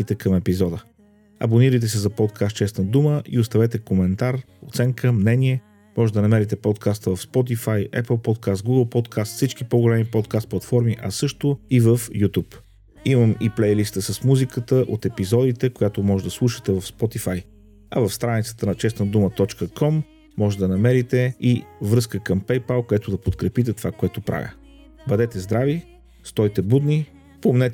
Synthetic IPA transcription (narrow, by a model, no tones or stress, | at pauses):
it̪ɛkəmɛpizɔd̪ə | ɐ̰boniɾəjt̪̬ɛsɛzɐpɔt̪kʰast̪̚t͡ʃɛsnəd̪uməʔḭost̪ɐvɛt̪ɛkomɛnt̪aɾ | ot̪sɛŋkəmnɛniɛ | mɔʒɛd̪ɐnɐmɛɾit̪ɛpɔt̪kʰast̪əvɐfspɔt̪̬ifajɛ̰plˠpɔt̪̚kast̪̚ɡuɡəlˠpɔt̪kʰast̪fsit͡ʃkipoɡolɛmipɔt̪̚kast̪̚plˠɐt̪fɔɾmiʔɐsɤʃt̪oivəfjut̪up | iməmiplɛjlist̪əsɐsmuzikət̪əʔot̪ɛpizɔd̪it̪ɛkojat̪omɔʒɛd̪ɐslˠuʃə̥t̪ɛvɐfspɔt̪ifaj | ɐ̰vəfst̪ɾanit̪sə̥t̪ənɐt͡ʃɛsnəd̪umət̪ɔt͡ʃkəkɔmː | ɔʒɛd̪ɐnɐmɛɾit̪ɛivɾɤskəkəmpɛjpalˠkoɛt̪ʊd̪ɐpot̪kɾɛpit̪̬ɛt̪ovakoɛt̪opɾʔa̰vʲjə̰ | bɐd̪ɛt̪ɛzd̪ɾavi | st̪ɔjt̪ɛbud̪ni | pomnɛt̪ɛ